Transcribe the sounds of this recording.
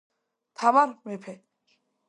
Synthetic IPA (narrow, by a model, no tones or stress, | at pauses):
t̪ʰamaɾmepʰe